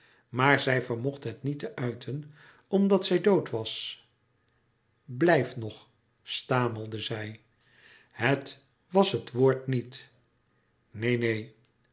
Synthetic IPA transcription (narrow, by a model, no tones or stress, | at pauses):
maːɹzɛjvəɹmɔχtɦətnitəʔœɥtʰən | ɔmdɑtsɛjdowtʋɑs | blɛjfnɔχ | staːməlˠdəzɛj | hət | ʋɑsɦətʋoːɹtnit | nejnej